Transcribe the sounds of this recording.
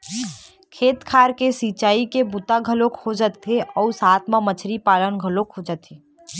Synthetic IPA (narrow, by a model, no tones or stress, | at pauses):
kʰeːt̪kʰaːɾkesiːt͡ʃaːikebut̪aɡʱəlokʰhod͡ʒət̪ʰːeʔɔːsaːt̪ʰmamət͡ʃʰɾipaːlənɡʱəlokʰod͡ʒat̪ʰe